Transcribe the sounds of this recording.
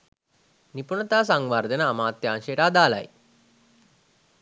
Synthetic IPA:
nipunət̪aːs̬aŋʋaɾd̪ʱənəːmaːt̪jɐːŋʂejːʈaːd̪aːla̰j

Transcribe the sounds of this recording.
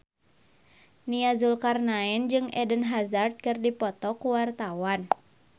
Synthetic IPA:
niazulkarnaɛnd͡ʒɨŋɛdənɦazard̪̚kɨrdipɔt̪ɔkuwart̪awan

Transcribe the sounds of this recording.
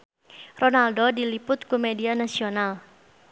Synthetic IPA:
ronaldodilipʊt̪kumedianasional

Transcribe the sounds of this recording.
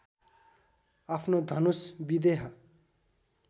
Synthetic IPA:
apʰnod̪ʱʌnusbid̪eɦʌ

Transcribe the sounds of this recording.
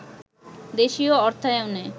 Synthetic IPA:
d̪eʃioɔɾt̪ʰaewne

